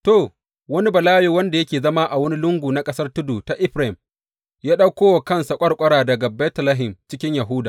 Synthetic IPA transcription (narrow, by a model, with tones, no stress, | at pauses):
toː˨ | wɐ˦ni˦bɐ˨laː˦ju˨wɐ˦nda˨jɐ˦kʲeː˨zɐ˦maː˦ʔa˨wɐ˦ni˦lʊ˦ŋɡʷuː˨na˦kʼɐ˦sɐ˦rtʊ˦duː˨ta˨ʔɪ˦ɸɾa˨˦ɪ˨m | jaː˦ɗa˦kʷoː˦wa˨kɐ˦nsa˨kʷʼɐ˦ɽkʷʼɐ˦ɽaː˨dɐ˨ɡa˨bɛ˦tlaː˦ɦɪ˨mt͡ʃɪ˦kʲɪ˦ɲjɐ˨ɦʊ˦daː˨ʔ